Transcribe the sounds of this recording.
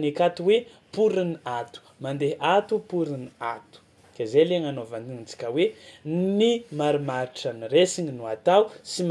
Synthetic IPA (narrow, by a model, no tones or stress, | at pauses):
nikat̪uwe | puɾiniat̪u̥mand̪eɦʔat̪upuɾiniat̪u̥ | kazeleŋanovand̪iind͡zi̥kʲəwenimaɾumaɾiʈ͡ʂəniɾesiɲinuat̪awsim